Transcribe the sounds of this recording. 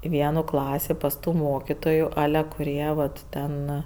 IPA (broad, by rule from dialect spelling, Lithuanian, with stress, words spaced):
ɪ ˈʋʲiɛnuː ˈklˠɑːsʲiː pɐs ˈtuː ˈmoːkʲiːtoːjʊ ˈɑːlʲɛ kʊˈrʲiɛ ˈʋɐt ˈtʲɛn